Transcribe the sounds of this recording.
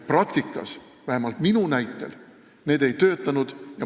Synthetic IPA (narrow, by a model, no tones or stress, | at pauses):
prɑkt̪ikːˑɑ̰s | væhemɑlt̪minunæjt̪ːˑḛl | ne̞ːd̪̥e̞jt̪ø̞ːt̪ːˑɑnud̪̥jɑ